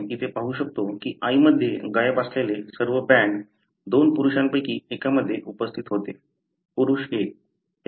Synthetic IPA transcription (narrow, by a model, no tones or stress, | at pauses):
kit̪epaɦuɕək̚t̪okiːʔaiməd̪ʱːjeɡajəbaslelesəɾʋəbɛɳ | d̪onpuɾuɕampəjkiːekaməd̪ʱːjeʔupəst̪ʰit̪ɦot̪e | puɾuɕek̚